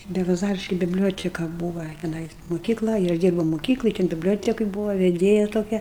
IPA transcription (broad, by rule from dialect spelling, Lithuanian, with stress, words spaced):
bʲɛlˠɐˈzɑːrʲɪʃʲkʲɪ bʲɪbʲˈlʲoːtʲɛkɐ ˈbuːʋɐ tʲɛˈnɐɪs moːˈkʲiːklˠɐ ɪ ˈɐʃ ˈdʲiːrbɐʊ moːˈkʲiːklˠoːj tʲɛn bʲɪbʲˈlʲoːtʲɛkoːj ˈbuːʋɐ ʋʲɛˈdʲeːjɛ toːˈkʲɛ